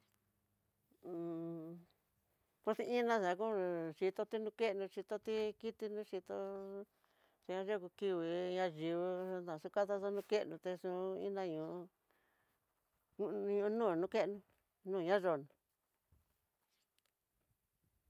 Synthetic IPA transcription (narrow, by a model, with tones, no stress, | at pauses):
ko˧˦si˧ĩ˦nã˦˧sa˨˧k̬ũ˦ʂi˧t̪o˧t̪i˦nũ˧ke˦˧nũ˧ʂi˧t̪o˦t̪i˦ki˦t̪i˧nũ˧˦ʂi˧t̪o˧ | t̪e˧ɲã˧ʐo˦˧ku˧ki˧wi˧˨ɲã˧ʐi˧βu˧t̪ã˨su˧˦ka˦t̪a˦sa˦nũ˧ke˦ʔnũ˧t̪e˧sũ˧ḭ̃˦nã˧ɲũ˨˧ | u˧ɲũ˧˦nũː˦˨nũ˧˦ke˦ʔnũ˧ | nũː˦˧˨ɲã˦ʐo˧nũ˧